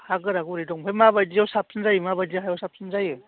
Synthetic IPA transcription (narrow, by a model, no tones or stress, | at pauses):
haɡɯɾaɡuɾidɔŋpʰajmabajdijawsap̚sɯnzajɯmabajdiaɦajawsap̚sɯnzajɯ